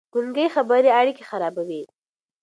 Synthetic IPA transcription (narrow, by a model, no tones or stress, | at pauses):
ɡ̥uŋɡəjxabaɾiaɽikexaɾɑbawi